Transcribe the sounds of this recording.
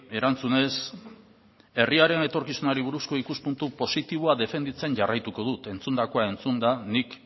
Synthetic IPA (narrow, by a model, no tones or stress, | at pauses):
e̞ɾant͡sune̞s | e̞riaɾe̞ne̞t̪o̞ɾkisunaɾiβuɾusko̞ikuspunt̪upo̞sit̪iβ̞oaðe̞fe̞nd̪it͡se̞ɲʝarajt̪uko̞ð̞ut̪e̞nt͡sund̪ako̞ae̞nt͡sund̪anik